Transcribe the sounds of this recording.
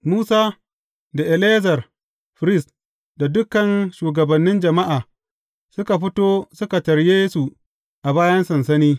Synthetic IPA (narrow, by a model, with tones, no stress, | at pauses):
muː˦saː˦ | da˨ʔɛ˨leː˦zɐ˨r | ɸɾɪ˦˨s | da˨dʊ˦kɐ˨nʃuː˨ɡɐ˨bɐ˨nːɪ˦nd͡ʒɐ˨ma˦ʔaː˨ | sʊ˦ka˨ɸɪ˦toː˦sʊ˦ka˨tɐ˨ɾjeː˦su˨ | ʔa˨baː˦jɐ˦nsɐ˨nsɐ˦niː˦